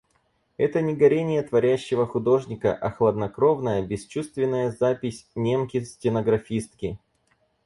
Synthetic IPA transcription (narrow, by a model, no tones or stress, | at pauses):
ɛt̪ənʲɪɡɐɾʲenʲɪjət̪vɐɾʲæɕːɪvəxʊd̪o̞ʐnʲɪkə̰ʔɐxlˠəd̪nɐkɾo̞vnəjəbʲɪst͡ɕust̪vʲɪnːəjəzapʲɪsʲnʲemkʲɪsʲtʲɪnəɡɾɐfʲist̪̚kʲɪ